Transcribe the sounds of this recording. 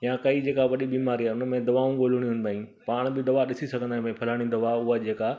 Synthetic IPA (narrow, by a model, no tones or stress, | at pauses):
jãkɐid͡ʑeːkaʋɐɗiɓiːmaːɾiaːʊnəmẽd̪ɐʋaːũɠoːl̤ʊɽ̃ijʊnɪ̆baːĩ | paːɽ̃bɪd̪ɐʋaɗɪsisɐɡʱə̃nd̪ãːmẽpʰɐlaːɽ̃ĩnd̪ɐʋaʊɦad͡ʑeːka